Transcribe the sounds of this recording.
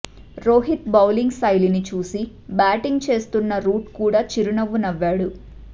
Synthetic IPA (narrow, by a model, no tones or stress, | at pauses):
ɾoːɦit̪̚bɐwliŋɡsɐjlinit͡ʃuːsi | baːʈiŋɡt͡ʃe̞ːst̪unːɐɾuːʈkuːɽaːt͡ʃiɾunɐʋːunɐʋːaːɽu